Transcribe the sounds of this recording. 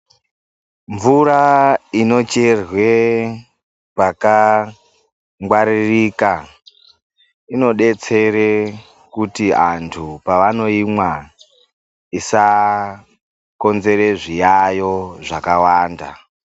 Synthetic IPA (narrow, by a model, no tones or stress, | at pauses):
ɱvuraino̞t͡ʃe̞rwe̞ | paka | ŋɡwaɾiriːka | ino̞ɗe̞t͡se̞ɾe | kutiantʰupaʋano̞imwa | isa | ko̞nze̞ɾeʐijajo̞ʐakawaːnda̰